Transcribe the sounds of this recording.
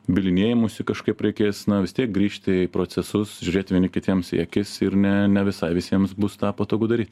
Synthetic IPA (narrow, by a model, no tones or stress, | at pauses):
bʲɪlʲɪnʲiɛjɪmuːsʲɪkɐʃkɐɪpɾʲɛɪkʲeːsnɐʋʲɪst̪ʲiɛk̚ɡɾʲiːʃʲt̪ʲɪpɾoːt͡ssʲɛsʊsʒʲʉɾʲeːt̪ʲʋʲiɛnʲɪkʲɪt̪ʲiɛmsiɛkʲɪsɪɾnʲɛnʲɛʋʲɪsɐɪʋʲɪsʲiɛmsbʊst̪ɑːpɐt̪oːɡuːd̪ɐɾʲiːt̪ʲ